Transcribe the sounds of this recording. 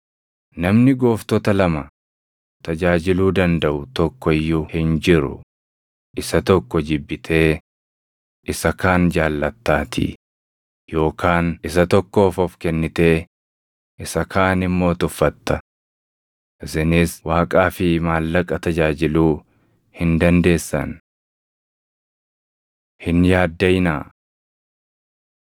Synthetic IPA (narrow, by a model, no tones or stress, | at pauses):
nɐmnɪɡo̞ːft̪ɔt̪ɐlɐmɐ | t̪ɐd͡ʒaːd͡ʒɪluːd̪ɐnd̪ɐʔʊt̪ɔkːɔɪjːʊhɪnd͡ʒɪɾʊ̰ | ʔɪsɐt̪ɔkːɔd͡ʒɪbːɪt̪ʰe̞ː | ʔɪsɐkaːnd͡ʒaːlːɐt̪ːaːt̪ʰɪ̰ | jo̞ːkʰaːnɪs̬ɐt̪ɔkːo̞ːfɔfkɛnːɪt̪e̞ː | ʔɪsɐkʰaːnɪmːo̞ːt̪ʊfːɐt̪ːɐ | ʔɪsɪnɪswaːkʼaːfɪmaːlːɐkʼːɐt̪ɐd͡ʒaːd͡ʒɪluː | hɪnd̪ɐnd̪e̞ːsːɐ̰n | hɪnjaːd̪ːɐjnaː